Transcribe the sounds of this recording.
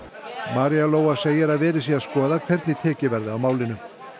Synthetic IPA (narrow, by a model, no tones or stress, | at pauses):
maːɾijaloːwaseːjɪɾaðvɛːɾɪsiaskɔːðakʰvɛɾt̪nɪt̪ʰɛːcɪvɛɾðɪawmaːwlɪnʏm